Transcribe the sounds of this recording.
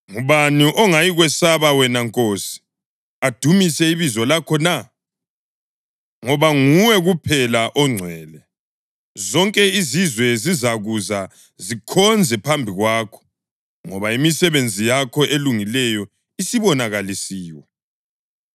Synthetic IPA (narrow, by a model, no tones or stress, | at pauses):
ŋuβaniʔɔŋajiɣwɛsaβawɛnaŋkʼosi̥ | ad̥ʱumisɛiβizɔlakʰɔna | ŋɔβaŋuwɛɣupʰɛlaʔɔŋ͡ǀʱwɛːlɛ | zɔŋkʼɛizizwɛzizaɣuza | zikʰɔnd͡zʱɛpʰambʱiɣwaːkʰɔ̥ | ŋɔβaimisɛβend͡zʱijakʰɔʔeluŋilɛjɔ | isiβɔnaɣalisiːwɛ